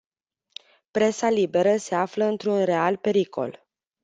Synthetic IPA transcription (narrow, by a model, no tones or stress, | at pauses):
pɾe̞salibe̞ɾəse̞afləɨnt̪ɾunre̞alpe̞ɾikʰo̞̰l